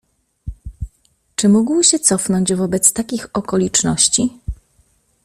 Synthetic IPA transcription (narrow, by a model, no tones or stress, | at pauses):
t͡ʂɘmuɡwɕɛt̪sɔfnɔɲd͡ʑvɔbɛt̪st̪akʲixɔkɔlʲit͡ʂnɔɕt͡ɕi